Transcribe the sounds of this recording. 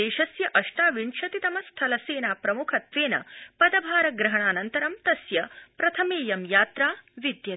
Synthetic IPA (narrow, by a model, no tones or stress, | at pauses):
eːʃɐsjɐʔɐʂʈaːʋiɳʂɐt̪it̪ɐmɐst̪ʰɐlɐseːnaːpɾɐmukʰɐt̪ʋeːnɐ̰pɐd̪ɐbʱaːɾɐɡɾɐɦɐɳaːnɐnt̪ɐɾɐmt̪ɐsjɐpɾɐt̪ʰɐmeːjɐmjaːt̪ɾaːʋid̪jɐ